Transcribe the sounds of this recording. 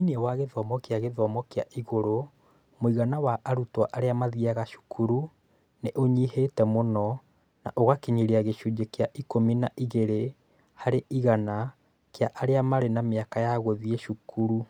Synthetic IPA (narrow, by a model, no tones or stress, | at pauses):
inɛwaɣeðɔmɔkeaɣeðɔmɔkeaʔiɣoɾo | moiɣanawaʔaɾutwaʔaɾeamaðiaɣaʃu̥kʰuɾu | neʔoɲihetɛmonɔ | na̰ʔoɣakeɲiɾiaɣeʃud͡ʒekeaʔikominaʔiɣeɾe | haɾeʔiɣana | keaʔaɾeamaɾenameakajaɣoðieʃukuɾu